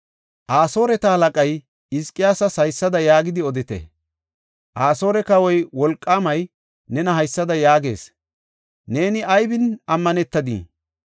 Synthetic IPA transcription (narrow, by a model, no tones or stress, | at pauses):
ʔaːso̞ːɾɛt̪ɐhɐlɐkʼɐj | ɪskʼːɪjaːsɐsɐjsːɐd̪ɐjaːɡɪd̪ɪɔd̪ɪt̪ɛ̰ | ʔaːso̞ːɾɛkɐwɔjwɔlkʼːaːmɐj | nɛnɐɦɐjsːɐd̪ɐjaːɡe̞̰ːs | ne̞ːnɪɐjbɪnɐmːɐnɛt̪ːɐd̪ḭː